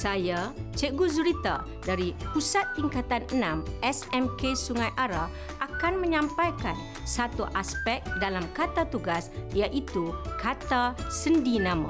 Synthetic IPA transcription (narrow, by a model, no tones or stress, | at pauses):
sajat͡ʃəɡuzuɾit̪a | daɾipusat̪ːiŋkat̪anənãmʔɛsɛmkesuŋãjʔaɾa | ʔakanmə̃ɲãmpajkan | sat̪uʔaspɛk̚dalamkat̪at̪uɡasjaʔit̪ukat̪asəndinãmã̰